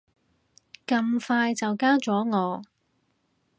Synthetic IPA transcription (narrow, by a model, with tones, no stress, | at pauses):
kɐ˧mfaː˧jt͡sɐ˨wkaː˥wt͡sɔː˨˥ŋɔː˨˧